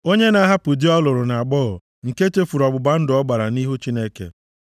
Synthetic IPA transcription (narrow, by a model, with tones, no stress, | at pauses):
o˦ɲe˦na˦ɦa˦pʊ˨di˦ɔ˦lʊ˨ɾʊ˨na˨ɡ͡bɔ˦ɔ˨ | ŋ̩˨ke˦t͡ʃe˦fu˨ɾɔ˨bʊ˨ba˦n̩˦dʊ˨ɔ˦ɡ͡ba˨ɾa˨ni˦ɦu˦t͡ʃi˦ne˦kḛ˨